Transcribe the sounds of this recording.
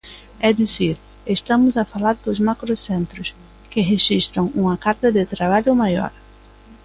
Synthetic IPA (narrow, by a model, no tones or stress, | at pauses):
ɛd̪iziɾ | est̪ɐ̃mʊzafalaɾd̪ʊzmakɾosẽnt̪ɾʊs | kɪɦeʒist̪ɾɐ̃w̃ũmɐkaɾt̪ɐd̪ɪt̪ɾaβaʎʊmajɔ̰ɾ